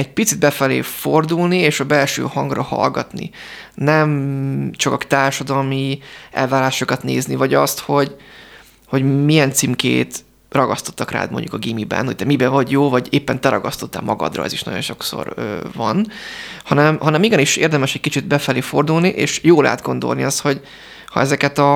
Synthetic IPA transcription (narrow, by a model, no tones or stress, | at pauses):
ɛɟ̚pit̪sid̪bɛfɛlḛːford̪ulnieːʃɒbɛlʃø̰ːhɒŋɡrɒhɒ̰lɡɒt̪nḭnɛmt͡ʃɒkɒkt̪aːrʃɒd̪ɒlmiʔɛ̰lvaːɾaːʃokɒt̪nḛːznivɒɟɒst̪ho̞ɟ | ho̞ɟmijɛnt̪simkḛːt̪ | rɒɡɒst̪ot̪ːɒkra̰ːd̪mo̰ɲɟukɒɡiːmibɛ̰nhoc̚t̪ɛmibɛvɒɟjoːvɒɟeːpːɛnt̪ɛɾɒɡɒst̪o̞t̪ːɛ̰lmɒɡɒ̰d̪rɒ̰ɛ̰ziʃnɒ̰ɟo̞nʃo̞kso̰røːvɒnhɒnɛmhɒnɛmiɡɛniʃeːrd̪ɛmɛʃɛcʲkit͡ʃid̪bɛfɛleːfo̞rd̪ulniʔeːʃjoːla̰ːd̪ɡo̞nd̪olniɒst̪ho̞ɟ | hɒ̰ɛzɛkɛt̪ɒ